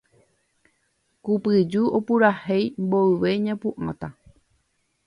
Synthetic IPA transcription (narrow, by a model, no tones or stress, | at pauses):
kupɨd͡ʒuopuɾahejmboɨʋe̞ɲãpuʔã̰t̪a